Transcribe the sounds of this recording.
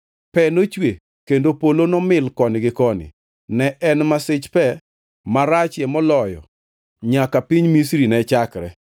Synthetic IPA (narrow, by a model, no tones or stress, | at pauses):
pɛnot͡ʃwe | kendopolonɔmɪlkɔnɪɡɪkɔnɪ̰ | nɛʔɛnmasɪt͡ʃpɛ | maɾat͡ʃjɛmɔlɔjɔ̰ | ɲakapiɲmisɾinɛt͡ʃakɾɛ